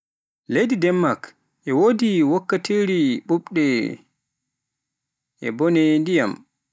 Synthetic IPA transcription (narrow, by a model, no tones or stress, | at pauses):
lejdidɛmːak | ʔɛwoːdiwɔkːatiɾiɓuɓɗɛ | ʔɛ̰bɔnɛndija̰m